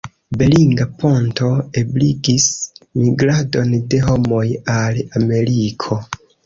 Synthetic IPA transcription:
be̞liŋɡapʰo̞nto̞ebliɡismiɡɾado̞nde̞ɦo̞mo̞jalame̞ɾikʰo̞

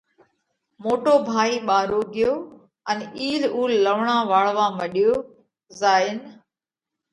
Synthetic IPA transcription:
moːʈoːbʱaːiːɓaːɾoːɡɪjoː | əniːluːlːəʋɳãːʋaːɭʋãːməɗɪjoː | zaːɪn

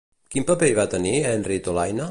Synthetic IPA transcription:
kimpəpeiβat̪əniɛnrit̪olajnə

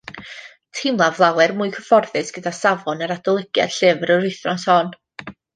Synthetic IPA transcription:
tʰɪmlˠavlˠawɛrmʊːɨkʰəfɔrθɨsɡ̥ədasavɔnəɾadɔlˠəɡ̥ja̰d̥ɬɪvɾəɾʊjθrɔnsɔːn

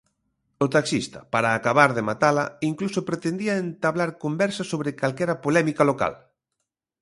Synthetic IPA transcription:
ot̪aksist̪ɐpaɾaːkaβaɾðemat̪alaiŋklusopɾet̪end̪iɐent̪aβlaɾkombɛɾsasoβɾɪkalkɛɾɐpolɛmikaloka̰l

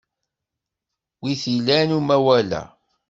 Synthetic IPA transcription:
wiθilænumæwælæ̰

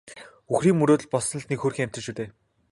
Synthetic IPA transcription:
uxriːŋmɵɾoːt̪ɘ̆ɮpɔsnɞ̆ɮnekxoːrxiːŋæm̥t̪ɘ̆ʃuːt̪eː

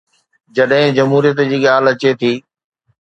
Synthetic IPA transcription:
d͡ʑɐɗɦɪ̃d͡ʑɐmɦuːɾijət̪d͡ʑiːɠaːlɐt͡ɕet̪ʰiː

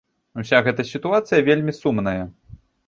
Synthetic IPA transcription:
usʲaɣɛt̪ɐsʲit̪uat̪sɨjɐvʲelʲmʲisumnɐjɐ

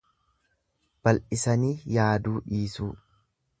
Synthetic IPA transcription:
b̥ɐlʔɪsɐniːjaːd̪uːᶑiːsuː

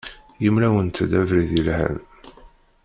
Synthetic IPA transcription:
jəmlæwənt̪əd̪ævɾiðilhæ̰v

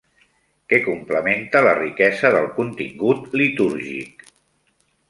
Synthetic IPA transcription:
kɛkumpləment̪ələrikɛzəðəlˠkunt̪ḭŋɡut̪lit̪uɾʒḭk

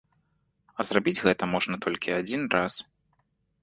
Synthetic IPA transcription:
ɐzrabʲid͡zʲɣɛt̪ɐmɔʐnɐt̪ʰɔlʲkʲiad͡zʲinras

